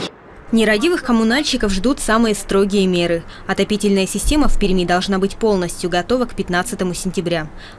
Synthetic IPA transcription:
nʲɪɾɐdʲivɨxkəmʊnalʲɕɪkəfʐd̪ut̪samɨjəst̪ɾo̞ɡʲɪjəmʲe̞ɾɨ | ɐt̪ɐpʲitʲɪlʲnəjəsʲɪsʲtʲe̞məfʲpʲɪɾʲmʲid̪ɐlˠʐnabɨtʲpo̞lˠnəsʲtʲjʊɡɐt̪o̞vəkpʲɪt̪nat̪sɨt̪əmʊsʲɪnʲtʲɪbɾʲa

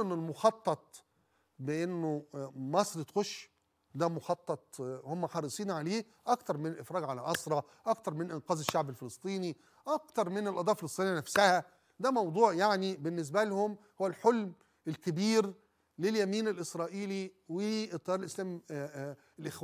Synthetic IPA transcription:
ʔenːelmoxɑt̪ˤːɑt̪̚ˤ | beʔenːomɑsˤɾit̪xoʃ | d̪æmoxɑt̪ˤːɑt̪̚ˤhomːæxɑɾˤɨsˤiːnʕaleː | ʔækt̪ɑɾˤmɪnelʔefɾˤɑːɡʕalæʔɑsˤɾˤɑ | ʔɑkt̪ɑɾˤmɪnʔɪnqɑːzeʃːaʕbelfelɨst̪ˤiːni | ʔækt̪ɑɾˤmɪnlʔɑd̪ˤɑːfelsˤt̪ˤinejænæfsæhæ | d̪æmɑwd̪ˤuːʕjaʕnibenːes̬bælhʊmhowælħolm | elkɪbiːɾ | leljæmiːnelʔɪsɾˤɑːʔiːliwet̪ˤːɑɑɾelʔɪslæːmi | lʔexwæ

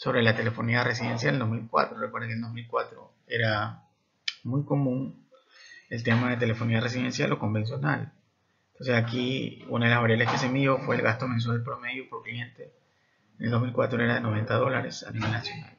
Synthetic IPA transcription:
so̞βɾe̞lat̪e̞le̞fo̞niare̞s̬iðe̞ns̬jaleld̪o̞zmilkwa̰t̪ɾorekweɾðeŋkeld̪o̞zmilkwat̪ɾo̞̰ | e̞ɾa | mujko̞mũŋ | e̞lt̪e̞maðet̪̬e̞lefo̞niare̞s̬iðe̞nsja̰loko̞mbe̞ns̬jo̞na̰l | nt̪onse̞sakiṵnaðe̞lazβaɾjaleske̞se̞miðjo̞fwe̞ːlɣast̪o̞me̞ns̬walpɾo̞me̞ðjopoɾklie̞nt̪e̞ | neld̪o̞milkwa̰t̪ɾoe̞ɾaðe̞no̞β̞e̞nt̪aðo̞la̰ɾe̞̰sa̰niβe̞lnasjo̞na̰l

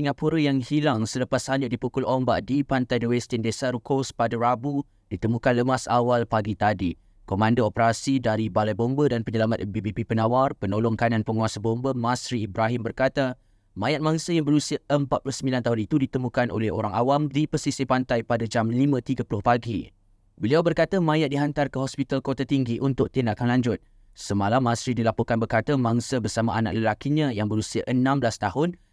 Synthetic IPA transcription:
siŋapuɾəjaŋhilaŋsələpashaɲəʔdipukʊlombaʔdipant̪ajdəwɛst̪əndesaɾukospadaɾabu | d̥it̪əmũkanləmasawalpaɡit̪adi | komãndoopəɾasidaɾibalajbombədanpəɲəlamat̪̚bebepipənawarpənolɔŋkananpəŋuasabombəmasɾiːbɾaɦimbərkat̪a | mãjat̪̚mãŋsəjaŋbəɾusiaəmpat̪̚pulʊsəmbilant̪aɦʊnit̪udit̪əmũkanʔo̰lɛɦo̰ɾaŋawamdipəsisipant̪ajpadad͡ʒamlimə̃t̪iɡəpulʊhpaɡi | bəliawbərkat̪amãjat̪̚diɦant̪arkəɦɔspit̪alkot̪at̪iŋɡiʔunt̪ʊk̚t̪indaʔkanlaɲd͡ʒʊt̪̚ | səmalamːãsɾidilapokanbərkat̪amãŋsəbərsamaʔana̰ʔləlakiɲãjaŋbəɾusiaʔənãmbəlast̪ahʊn

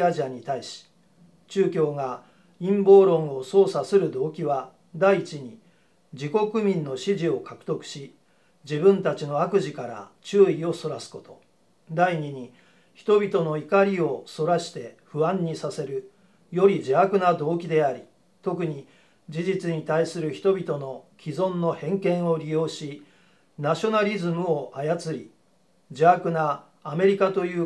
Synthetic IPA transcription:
aʑiaɲ̟it̪aiɕi̥ | t͡ɕɨːkʲo̞ːɡa | ĩmbo̞ːɾõ̞ɰ̃o̞so̞ːsasɨɾɯ̟d̪o̞ːkʲiβa | d̪aiːt͡ɕiɲ̟i | d͡ʑiko̞kɯ̟mʲĩnːo̞ɕiʑio̞kakɯ̟̥t̪o̞kɯ̟̥ɕi | d͡ʑibɯ̟̃nt̪at͡ɕino̞akɯ̟ʑikaɾa̰t͡ɕɨːio̞so̞ɾasɨ̥ko̞t̪o̞ | d̪aiɲ̟iɲ̟i | çi̥t̪o̞bʲit̪o̞no̞ikaɾʲio̞so̞ɾaɕi̥t̪e̞ɸɯ̟ãɲ̟ːisase̞ɾɯ̟ | jo̞ɾʲid͡ʑiakɯ̟nad̪o̞ːkʲid̪e̞aɾʲi | t̪o̞k̬ɯ̟ɲ̟i | d͡ʑiʑit͡sɨɲ̟it̪aisɨɾɯ̟çi̥t̪o̞bʲit̪o̞no̞kʲizõ̞nːo̞hẽ̞ŋkẽ̞ɰ̃o̞ɾʲijo̞ːɕi | naɕo̞naɾʲizɨmɯ̟o̞ʔajat͡sɨɾʲi | d͡ʑiakɯ̟naː | me̞ɾʲikat̪o̞jɯ̟ː

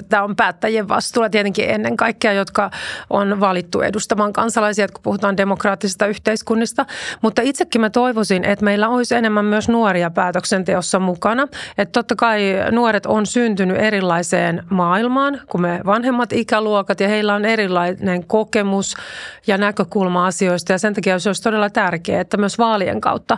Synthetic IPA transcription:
t̪æompæːt̪ːæjeʋʋɑ̰st̪uːlɑt̪iet̪eŋkiʔḛnːeŋkɑikːeɑjot̪kɑʔonʋɑlit̪ːṵḛdust̪ɑmɑːŋkɑnsɑlɑisiɑt̪ku̥puhut̪ɑːndemokrɑːt̪ːisist̪ɑyht̪eiskunːist̪ɑmut̪ːɑit̪sekːimæt̪oiʋosinʔet̪meilːæoisenemːæmmyøsnuoɾiɑpæːt̪øksent̪eosːɑmukɑnɑet̪t̪ot̪ːɑkɑinuoɾet̪onsynt̪ynyʔeɾilːɑiseːnmɑːilmɑːnkumeʋɑnhemːɑt̪ikæluokɑt̪jɑheilːæoneɾilːɑineŋkokemusjɑnækøkulmɑɑsioist̪ɑjɑsent̪ɑkiɑosoist̪odelːɑt̪ærkḛːet̪ːæmyøsʋɑːliḛŋkɑ̰uwt̪ːɑ

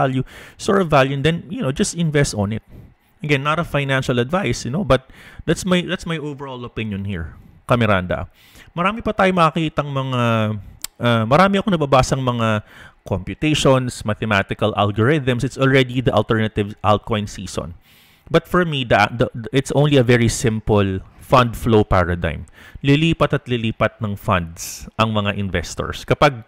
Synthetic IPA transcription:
aljusɔɹɐvaljʊnd̪ɛnjʊnowd͡ʒɐst̪ɪ̃nvɛst̪ɔ̃nɪt̪̚ | ʔɐɡɛnːaɾɐfajnanʃɐlɐd̪vajsnobɐt̪̚d̪at̪smajd̪at̪smɐjʔovɛɹolopɪ̃njɔ̃nhḭɹkɐmɛɾand̪ɐ̰ | mɐɾaːmɪpɐt̪aːjomɐkɐkiːt̪ɐŋmɐŋa | ʔamɐɾaːmɪɐkoŋnɐbɐbaːsɐŋmɐŋakompjʊt̪ejʃonsmɐt̪ɛmat̪ɪkɐlʔa̰lɡoɹɪðɐmsɪt̪solɹɛd̪id̪ɐʔɐ̰lt̪ɛɹnɐt̪ɪvʔa̰wt̪̚kojnsḭːsɔ̰̃n | bɐt̪fɔɹmid̪ɐʔd̪ɐʔɪt̪sʔõwnliɐvɛɹisɪ̃mpolfɐnd̪flowpaɹɐd̪ã̰jm | lɪliːpɐt̪ɐt̪lɪliːpɐt̪̚nɐŋfɐnd̪sʔɐŋmɐŋaʔɪnvɛst̪ɔ̰ɹskɐpaɡ̚

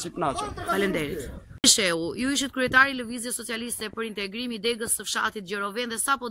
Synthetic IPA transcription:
sip̪nat͡ʃakalɛnd̪ɛɾit̪iʃɛujuiʃ̬ɛt̪̚kɾyɛt̪aɾiləvizjɛsɔt͡sialist̪ɛpəɾint̪ɛɡɾimid̪ɛɡəsːəfʃa̰t̪it̪ɟɔɾɔvɛnðɛsapɔ

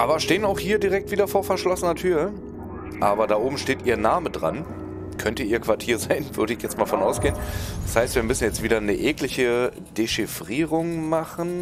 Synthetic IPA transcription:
ʔaːbɐʃteːənaʊxhiːɐdiʁɛk̚tv̥iːdɐfoːɐfɛɐʃlɔsənɐtʰyːɐ | ʔaːbɐdaːʔoːbm̩ʃteːtʔiːɐnaːmədʁa̰n | kʰœntəiːɐkv̥aɐtʰiːɐzaɪnvʏɐɾəɪçjɛt͡stmaːlfɔnʔaʊsɡ̥eːənd̥ashaɪstv̥iːɐmʏsn̩jɛt͡stv̥iːdɐnəʔɛːklɪçə | d̥eʃifʁ̥iːʁʊŋmaχn̩

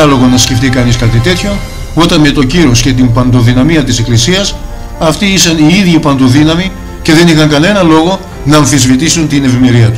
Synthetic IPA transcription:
ɐlo̞ɣonɐsceft̪ikɐniskɐt̪it̪e̞t̪ço̞ | o̞t̪ɐnme̞t̪o̞ciɾo̞sce̞t̪̬imbɐnd̪o̞ðinɐmiɐt̪ise̞klisiɐs | ɐft̪iisɐniiðʝipɐnd̪o̞ðinɐmi | ce̞ðe̞nixɐŋkɐne̞nɐlo̞ɣo̞ | nɐːɱθizvit̪isunt̪ine̞vime̞ɾiɐt̪u̥

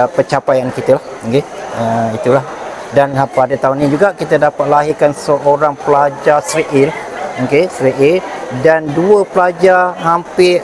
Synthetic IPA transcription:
pət͡ʃapajankit̪əlahokeəit̪ulahdanpadat̪aunːĩd͡ʒuɡakit̪ədapat̪̚laɦikansəʔoɾaŋpəlad͡ʒasɾiʔelahokesəɾiʔedanduəpəlad͡ʒaɦampɪ

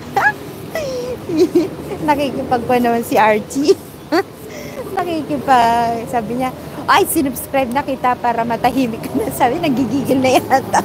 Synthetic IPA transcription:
nɐkikɪpɐɡ̚panɐmansɪʔaɹt͡ʃi | nɐkikɪpaɡsaːbɪɲaʔajsɪnʊbskɾajb̚nɐkit̪apaːɾɐmɐt̪ɐɦiːmɪkːɐnɐsaːbɪnɐɡiɡiːɡɪlnɐjaat̪o

